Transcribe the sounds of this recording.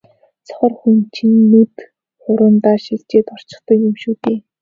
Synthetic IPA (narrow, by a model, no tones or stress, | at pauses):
t͡sʰɔ̥χə̆rxunt͡ɕʰĭnːut̪ | χʊɾʊ̆ːnt̪aːʃiɬt͡ɕeːt̪ɔr̥t͡ɕɪ̥̆χt̪ɞ̆kjumʃuːt̪eː